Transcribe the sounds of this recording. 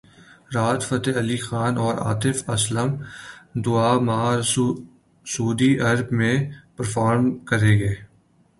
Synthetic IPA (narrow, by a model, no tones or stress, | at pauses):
ɾaːt̪fɐt̪eɐliːxaːnɔːɾa̰ːt̪ɪfɐsləmd̪ʊaːmaːɾ | suːd̪iɐɾbmẽpəɾfaːɾmkəɾeːɡeː